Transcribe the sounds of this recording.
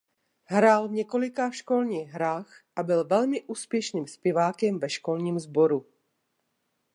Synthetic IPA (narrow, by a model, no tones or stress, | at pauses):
ɦɾaːlvɲɛkolɪkaʃkolɲiːɣɦɾaːxʔabɪlvɛlmɪʔuːspjɛʃniːmspjɛvaːkɛmvɛʃkolɲiːmzboɾu